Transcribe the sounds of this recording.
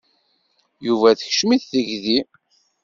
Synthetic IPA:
juvæθə̥çʃmiθθəʝði

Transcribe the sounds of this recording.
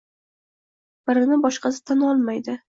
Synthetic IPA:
b̥ɪɾɪnɪbɒʃqɑsɪ̥t̪ʰanɒlˠmajd̪ɪ

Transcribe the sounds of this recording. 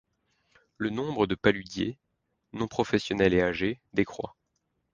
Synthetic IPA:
lənɔ̃bʁəd̪əpalyd̪jḛ | nɔ̃pχɔfɛsjɔnɛleaʒed̪ekχwa̰

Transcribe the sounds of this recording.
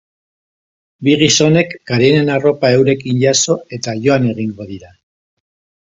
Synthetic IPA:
biɣiso̞ne̞kːaɾene̞naro̞pae̞wɾe̞kinʝaso̞e̞t̪aʝo̞ane̞ɣ̞iŋɡo̞ðiɾa

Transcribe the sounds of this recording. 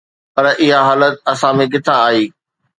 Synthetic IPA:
pɐɾʔɪɦaɦaːlət̪̚ɐsãmẽɡɪt̪ʰaːɦiː

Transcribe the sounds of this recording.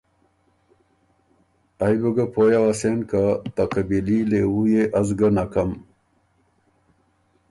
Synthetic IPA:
ajboɡapʰojawasenkat̪aqebilileujeʔɐzɡanakam

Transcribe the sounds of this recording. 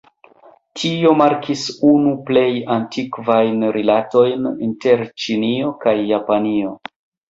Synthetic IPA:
tʰiomaɾkʰisunuple̞jantʰikvajnɾilato̞jninte̞ɾt͡ʃinio̞kajːapanio̞

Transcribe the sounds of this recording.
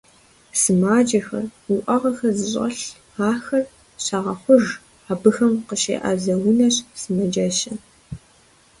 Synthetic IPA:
sɨmaːd͡ʒɐxɐ̰rʊʔɐʁɐxɐzɨɕʼɐ̰ɬ | aːxɐr | ɕaʁɐχʷʊʒ | aːbɨxɐmqəʃḛːʔɐ̰zɐwʊnɐɕsɨmɐd͡ʒɐɕɐ

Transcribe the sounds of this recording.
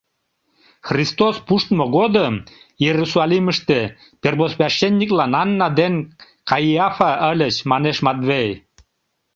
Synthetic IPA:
xrist̪ospuʃt̪moɣod̪əm | jeɾusɑlʲiməʃt̪e | perbosβʲɑʃːenʲːiklɑnɑnːɑd̪en | kɑjiɑfɑʔəlʲət͡ɕmɑneʃmɑt̪βej

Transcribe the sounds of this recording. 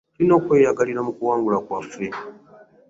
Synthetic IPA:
linokʷejaɡaliɾamukuwaːŋɡulakwafɾi

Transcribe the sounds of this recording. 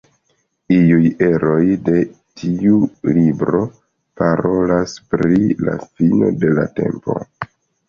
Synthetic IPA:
iuje̞ɾo̞jde̞tʰiulibɾo̞ | paɾo̞laspɾila̰fino̞de̞late̞mpo̞̰

